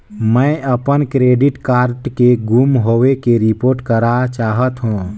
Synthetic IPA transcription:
məjəpənkɾeːɖiʈkaːɾɖkeɡumɦowekeɾipoːɾʈkəɾat͡ʃaːɦət̪ɦũː

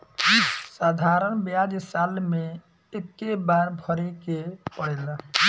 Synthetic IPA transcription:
sad̪ʱaɾənbjad͡ʒsalme | ekːebaɾbʱəɾekepəɽɛla

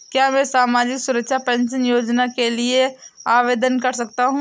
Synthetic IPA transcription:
kjaːmɛ̃ːsaːmaːd͡ʒɪksʊɾəkʃʰapɛ̃ːnsənjoːd͡ʒnakelieaːʋeːd̪ənkɐɾsɐkt̪aɦũː

